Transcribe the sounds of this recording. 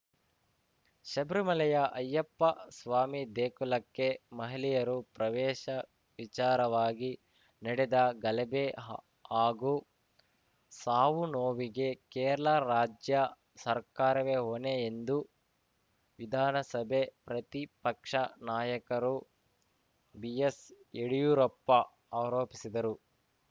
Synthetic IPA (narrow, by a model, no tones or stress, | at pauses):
ʃɐbɾumɐlɐjɐʔɐjːɐpːɐsʋaːmid̪eːkulɐkːemɐɦilijɐɾupɾɐʋɛːʃɐ | ʋit͡ʃaːɾɐʋaːɡi | nɐɽɛd̪ɐɡɐlɛbe | aːɡu | saːʋunoːʋiɡe̞keːɾɐɭaɾaːd͡ʒjɐ | sɐɾkaːɾɐʋeɦoneːnd̪u | ʋid̪ʱaːnɐsɐbʱe̞pɾɐt̪ipɐkʂɐnaːjɐkɐɾu | bijeseɽijuːɾɔpːɐ | aːɾoːpisid̪ɐɾu